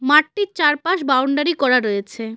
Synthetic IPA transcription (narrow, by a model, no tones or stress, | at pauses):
maʈːiɾt͡ɕaɾpaʃbawɳɖaɾikɔɾaɾoet͡ɕʰe